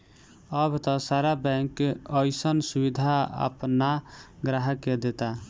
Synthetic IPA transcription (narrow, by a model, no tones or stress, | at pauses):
ʌbʱt̪ɔsaɾabɛ̃ŋkʌjsʌnsubid̪ʱaa̰pnaɡɾaɦəked̪et̪a